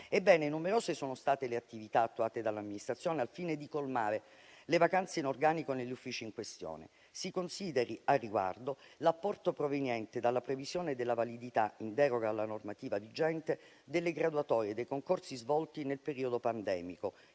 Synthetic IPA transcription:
ebːɛːnenumeɾoːzesoːnost̪aːt̪eleat̪ːivit̪aːt̪ːuaːt̪ed̪alːamːinist̪ɾat̪sːjoːnealfined̪ikolmaːɾe | levakant̪seinorɡaːnikoneʎːufːiːt͡ʃiːŋkwest̪jo̰ːnḛ | sikonsiːd̪eɾiarːiɡwa̰rd̪olapːɔrt̪opɾovenjɛnt̪ed̪alːapɾevizjoːned̪elːavalid̪it̪aind̪ɛːɾoɡaːlːanormat̪iːvad̪id͡ʒɛnt̪e | d̪elːeɡɾad̪uat̪ɔːɾied̪ejkoŋkorsizvɔlt̪inelpeɾiːod̪opand̪ɛ̰ːmiko

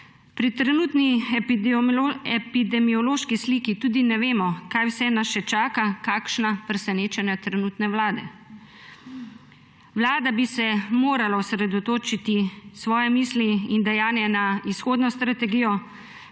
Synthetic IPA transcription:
pɾit̪ɾɛnuːt̪ni | ɛpid̪ɛmiɔloːʃkisliːkit̪uːd̪inɛʋeːmɔkaːjwsɛnaʃɛt͡ʃaːkakaːkʃnapɾɛsɛneːt͡ʃɛnjat̪ɾɛnuːt̪nɛwlaːd̪ɛ̰ | ʋlaːd̪abisɛmoːɾalaɔsɾɛd̪ɔt̪oːt͡ʃit̪isʋɔːjɛmiːsliind̪ɛjaːnjɛnaisxoːd̪nɔst̪ɾat̪ɛɡijɔ

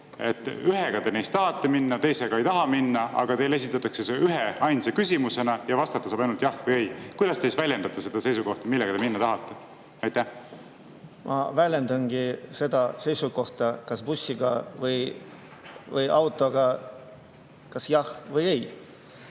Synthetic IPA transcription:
e̞t̪ːˑyɦe̞ɡ̥ɑt̪e̞nejst̪ɑɦɑt̪ːe̞minːɑt̪e̞jse̞ɡ̥ɑe̞jt̪ɑɦɑminːɑɑ̰ɡ̥ɑt̪e̞le̞s̬it̪ˑːɑt̪ːˑɑkseseʔyɦe̞ɑjnsekysʲimuse̞nɑjɑvɑst̪ɑt̪ːˑɑsɑːbɑjnult̪jɑhvɯje̞jkujd̪ɑst̪ejsvælʲjend̪̥ɑt̪ːˑɑse̞d̪ɑse̞jsuko̞ht̪ɑmilːeɡɑt̪eminːɑt̪ɑɦɑt̪ˑːe̞ | ɑjt̪ːæh | mʔɑ̰vælʲje̞nd̪ɑnɡ̥ise̞d̪̥ɑse̞jsuko̞ht̪ɑkɑsb̥usʲːiɡ̥ɑvɯj | vɯjʔɑwt̪ˑo̞ɡ̥ɑ | kɑsjɑhvɯje̞j

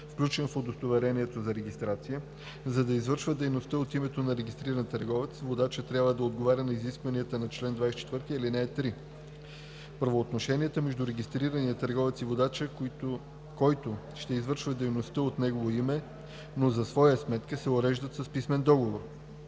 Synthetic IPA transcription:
fklʲut͡ʃɛnfod̪ost̪ovɛɾɛniɛt̪ozɐɾɛɡʲist̪ɾat̪sijə | zɐd̪ɐizvɤɾʃvəd̪ɛjnost̪əot̪imɛt̪onɐɾɛɡʲist̪ɾiɾɐnt̪əɾɡɔvɛt̪svod̪at͡ʃət̪ɾʲjabvəd̪ɐod̪ɡovaɾʲənɐiziskvɐniət̪ənɐt͡ʃlɛnd̪vajsɛ̥t͡ʃɛ̥t̪vɤɾt̪iilinɛːt̪ɾi | pɾɐvoːt̪noʃɛniət̪əmɛʒd̪uɾɛɡʲist̪ɾiɾəniət̪əɾɡɔvɛt̪sivod̪at͡ʃə | kɔjt̪o | ʃt̪ɛizvəɾʃvəd̪ɛjnost̪əot̪nɛɡovoimɛ | nozɐsvɔjəsmɛt̪kəsɛoɾɛʒd̪ət̪sɐspismɛnd̪ɔɡovoɾ

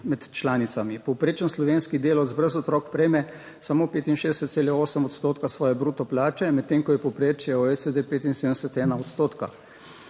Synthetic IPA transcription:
mɛt̪t͡ʃlaːnit̪samipɔwpɾeːt͡ʃənslɔʋeːnskid̪eːlɔd̪zbɾəzɔt̪ɾɔkpɾɛjmɛ | samoːpeːt̪inʃeːd̪ɛsət̪seːlɛoːsəmɔt̪st̪oːt̪kasʋɔːjɛbɾuːt̪ɔplaːt͡ʃɛmɛt̪ːeːŋkɔjɛpɔwpɾeːt͡ʃjɛɔɛsed̪epeːt̪inseːd̪ɛsət̪ɛːnaɔt̪st̪oːt̪ka̰

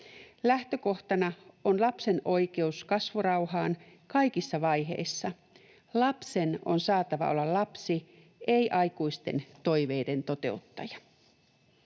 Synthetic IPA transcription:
læht̪ø̞ko̞ht̪ɑnɑonlɑpse̞no̞jke̞uskɑsʋurɑwhɑːn | kɑjkisːɑʋɑjɦḛisːɑ | lɑpse̞no̰nsɑːt̪ɑʋɑ̰ʔo̞̰lːɑllɑpsi | ʔejʔɑjkuist̪e̞̰nt̪o̞jʋe̞ːde̞nt̪o̞t̪e̞̰ut̪ːɑ̰jɑ

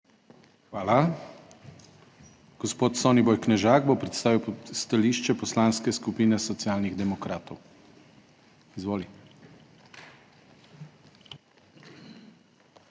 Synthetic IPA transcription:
xʋaːla | ɡ̥ɔspoːt̪sɔːnibɔjknɛʒaːɡbopɾɛt̪st̪aːʋiwst̪aliʃt͡ʃɛpɔslanskɛskupiːnɛsɔt̪siaːlniɣd̪ɛmɔkɾaːt̪ɔw | izʋoːli

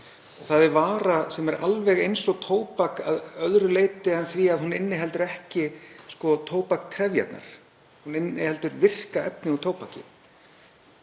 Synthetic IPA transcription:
ɔɣθaðɪvaːɾasɛmɛɾʔa̰lvɛɣejnsɔɣt̪ʰoːwpaka̰ðœðɾʏleːjt̪ɪɛnθviaðɦunɪnːɪɦɛlt̪ʏɾɛhcɪskɔt̪ʰoːwpak̚t̪ʰɾɛvja̰t̪na̰ɾ̥ | hunɪnːɪhɛlt̪ʏɾvɪr̥kaɛ̰pnɪut̪ʰoːwpacɪ̰

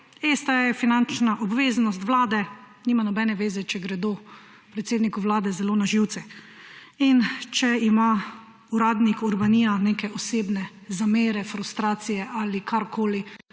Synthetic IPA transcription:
est̪ajɛfinant͡ʃnaʔɔbʋeːznɔst̪ʋlaːd̪ɛ | niːmanɔbɛnɛʋeːzɛt͡ʃɛɡɾɛd̪o | pɾɛt̪seːd̪nikuʋlaːd̪ɛzɛloːnaʒiwt̪sɛ | int͡ʃɛima | uɾaːd̪nikuɾbanijaneːkɛɔseːbnɛzameːɾɛfɾust̪ɾaːt̪sijɛʔalikʰaɾkʰoːli

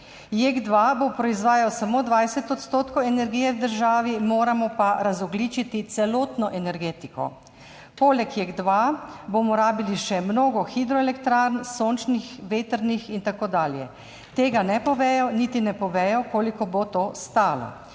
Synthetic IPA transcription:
jeɡd̪ʋabopɾɔizʋaːjawsamoːd̪ʋajsɛt̪ɔt̪st̪oːt̪kɔwɛnɛɾɡiːjɛwd̪əɾʒaːʋimoːɾamɔpaɾazɔɡliːt͡ʃit̪it̪sɛloːt̪nɔʔɛnɛɾɡeːt̪ikɔ̰ | poːlɛkjeɡd̪ʋaboːmɔɾaːbiliʃɛmnoːɡɔxid̪ɾɔɛlɛkt̪ɾaɾnsoːnt͡ʃnixʋeːt̪əɾnixint̪akoːd̪aːljɛ̰ | t̪eːɡanɛpɔʋɛːjɔnit̪inɛpɔʋɛːjɔkoːlikɔbot̪oːst̪aːlɔ̰

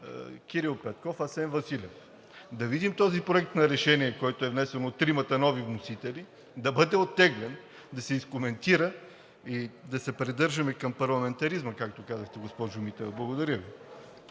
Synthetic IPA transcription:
kʲiɾilˠpɛt̪̚kɔfasɛnvɐsilʲɛf | d̪ɐvid̪imt̪ɔzipɾoɛk̚t̪nɐɾɛʃɛniɛkɔjt̪oɛvnɛsɛnot̪ːɾimɐt̪ɐnɔvivnosit̪ɛli | d̪ɐbɤd̪ɛot̪ːɛɡlɛn | d̪ɐsɛiskomɛnt̪iɾə | id̪ɐsɛpɾɛd̪ɤɾʒɐmɛkɐmpɐɾlˠɐmɛnt̪ɐɾizməkak̚t̪okazəxt̪ɛɡospɔʒʊmit̪ɛvblˠɐɡod̪ɐɾʲjəvi

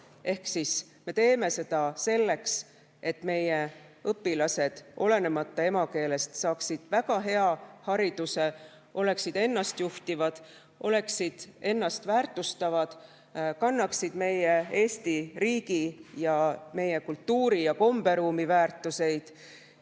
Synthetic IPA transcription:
e̞hksis | me̞t̪e̞ːme̞se̞d̪̥ɑse̞lːe̞ks | e̞t̪ːˑme̞je | ɤpːilɑse̞d̪̥o̞le̞ne̞mɑt̪ːˑɑe̞mɑke̞ːle̞st̪sɑːksid̪̥væɡ̥ɑɦe̞ɑhɑɾid̪̥use̞ | ʔo̞le̞ksid̪e̞nːɑst̪juht̪ivɑd̪̥ | ʔo̞le̞ksid̪̥e̞nːɑst̪væːrt̪ˑust̪ɑvɑd̪̥ | kɑnːɑksid̪̥me̞je̞e̞ːst̪iriːɡijɑme̞je̞kult̪ːuːɾijɑko̞mb̥e̞ɾuːmivæːrt̪ːˑuse̞jd̪̥

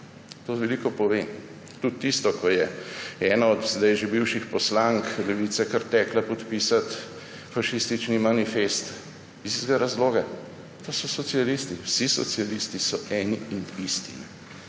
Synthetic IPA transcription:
t̪oʋɛlikɔpɔʋen | t̪ut̪ːist̪ɔkɔjɛɛːnaɔd̪zd̪ajʒebiwʃixpɔslaŋklɛʋiːt̪sɛkəɾt̪ɛklapɔt̪piːsat̪ | faʃist̪it͡ʃnimanifest̪ | izizɡaɾazloːɡa | t̪oːsɔsɔt̪sialist̪iwsisɔ̰t̪sialist̪isɔɛːniinist̪ḭnɛ

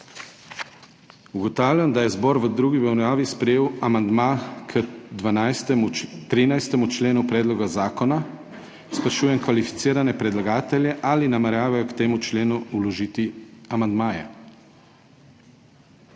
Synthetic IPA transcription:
uɡɔt̪aːwlʲjamd̪ajɛzbɔːɾʋəd̪ɾuːɡibɛwnjaːʋispɾɛjeːwamand̪makʰəd̪ʋanast̪ɛmut̪ɾinajst̪ɛmut͡ʃleːnupɾɛːd̪lɔɡazaːkɔna | spɾɛʃuːjɛmkʋalifi̥t̪siːɾanɛpɾɛd̪laɡaːt̪ɛljɛʔaːlinamɛɾjaːʋajɔkt̪eːmut͡ʃleːnuulɔʒiːt̪iamand̪maːjɛ̰

